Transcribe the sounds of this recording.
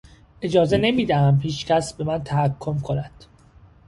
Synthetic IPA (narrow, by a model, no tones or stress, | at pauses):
ʔe̞d͡ʒɒːze̞ne̞miːd̪æhæmhiːt͡ʃcʰæsbe̞mænt̪ʰæhækʰːo̞mkʰonæd̪̥